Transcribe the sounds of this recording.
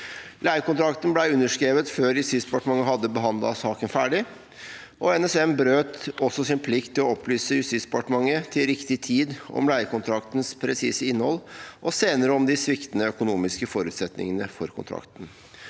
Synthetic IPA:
læɪəkʊnt̪ɾɑkt̪ənblæɪʉnːəʂkɾeːʋət̪føːɾjʉst̪ɪsbɛpɑʈəmɑŋːəɦɑd̪ːəbəɦɑnd̪lɑ̰sɑːkənfæːɖɪ | ʔɔɛnɛsɛmbɾøːt̪ɔsːɔsɪnpʰlɪkt̪ʰːɪlɔɔplyːsəjʉst̪ɪt̪sdbəpɑʈəmɑŋːət̪ʰɪlɾɪkt̪ɪt̪ʰiːd̪ɔ̰mlæɪəkʊnt̪ʰɾɑkt̪nspʰɾɛsiːsəɪnːhɔlːʔɔseːnəɾəɔmd̪ɪsʋɪkt̪nəœkʊnuːmɪskəfɔɾʉːt̪sɛt̪nɪ̰ŋənəfɔ̰ɾkʰʊ̰nt̪ʰɾɑ̰kt̪ən̩

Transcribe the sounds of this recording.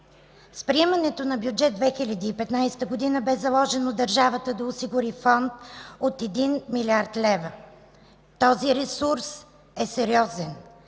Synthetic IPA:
spɾiɛmɐnɛt̪onɐbjud͡ʒɛd̪̚d̪vɛxilʲɐd̪iːpɛt̪najst̪əɡod̪inəbɛzɐlˠɔʒɛnod̪ɐɾʒavət̪əd̪ɐosiɡʊɾifɔnt̪ot̪ɛd̪inmilʲiaɾt̪lɛvə | t̪ɔziɾɛsuɾs | ɛsɛɾiɔzɛn

